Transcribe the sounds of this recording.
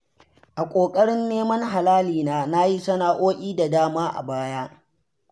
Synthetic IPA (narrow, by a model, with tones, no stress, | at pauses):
ʔa˨kʷʼoː˨kʼɐ˦ɽɪ˦nːeː˦mɐ˦ŋɦa˨laː˦liː˨naː˦na˦ji˦sɐ˦naː˨ʔoː˦ʔʲʼiː˦da˨daː˦maː˦ʔa̰˨baː˦jaː˦